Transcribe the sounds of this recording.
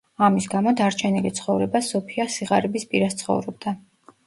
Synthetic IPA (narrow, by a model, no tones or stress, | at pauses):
amisɡamɔd̪aɾt͡ʃʰɛnilit̪sʰχɔvɾɛbasɔpʰiasiʁaɾɛbispʼiɾast̪sʰχɔ̰vɾɔb̚d̪a